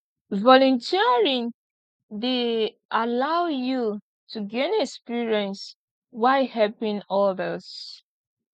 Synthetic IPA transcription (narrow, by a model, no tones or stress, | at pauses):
vɔlũntʰiɹĩn | de | ʔalawju | tʰuɡẽnɛkspiɹiɛ̃ns | waɪhɛlpĩnɔdəs